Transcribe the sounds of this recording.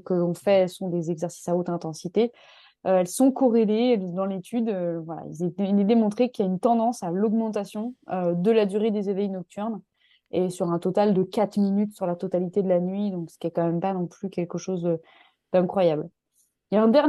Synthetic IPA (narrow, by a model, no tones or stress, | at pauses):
əkəɔ̃fɛɛlsɔ̃d̪ezɛɡzɛʁsi̥saot̪χɛ̃t̪ɑ̃sit̪e | øɛlsɔ̃kɔʁeleɛld̪ɑ̃let̪ʰyd̪øvwala̰izilɛd̪emɔ̃t̪χekiljaynt̪ɑ̃d̪ɑ̃salɔɡmɑ̃t̪asjɔ̃ød̪əlad̪yʁed̪ezevɛjnɔk̚t̪yʁn | esyʁɛ̃t̪ɔt̪ald̪əkat̪χminyt̪syʁlat̪ɔt̪alit̪ed̪əlanɥid̪ɔ̃ksə̥kʲiɛkɑ̃mɛmpanɔ̃plykʲɛlkəʃozd̪ə | d̪̥ɛ̃kχwajabl | jaɛ̃d̪ɛʁ